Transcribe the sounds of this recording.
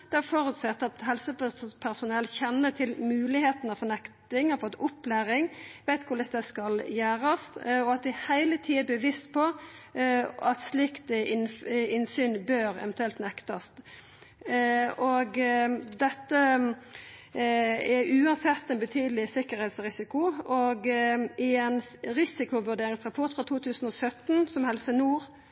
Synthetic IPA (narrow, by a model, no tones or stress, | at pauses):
d̪̥ɛæɾfɔɾʉt̪sɛt̪ːɑt̪hɛlsəpʰæɾsʊnɛlçɛnːət̪ʰɪlmʉːlɪheːt̪n̩ɑʋfɔnɛkt̪ɪŋhɑfɔt̪ːʊpːlæːɾɪŋʋæɪt̪kʰʊləsd̪ɛskɑljæːɾɑst̪ɔɑt̪̚d̪ɪhæɪlət̪ʰiːəbəʋɪst̪pʰɔ | ɑ̰t̪slɪkt̪ə | ɪnsyːnbøːɾɛ̰ʋɛnt̪ʉɛlt̪nɛkt̪ɑst̪ | ɔɡd̪ɛt̪ːə | ɛʔʉːɑnsɛt̪ːɛnbət̪ʰyːd̪lɪsɪkːəɾhɛt̪sɾɪsɪkʊʔɔɡɪɛnɾɪsɪkʊʋʉɖeːɾɪŋsʁɑpʰɔʁt̪fɾɑt̪ʰuːt̪ʰʉːsn̩ɔsœt̪ːnsɔmhɛlsənuːʁ